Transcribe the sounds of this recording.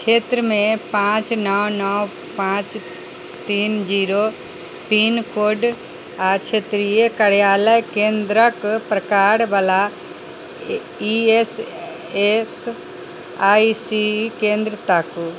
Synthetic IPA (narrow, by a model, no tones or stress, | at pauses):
t͡ʃʰet̪ɾəmẽpãt͡ʃnɔwnɔw | pãt͡ʃ | t̪iːnd͡ʒiːɾo | pinkoɖ | at͡ʃʰet̪ɾijekəɽjaːləjkẽnd̪ɾəkpɾəkaɾbala | ies | es | aːisikẽnd̪ɾət̪aku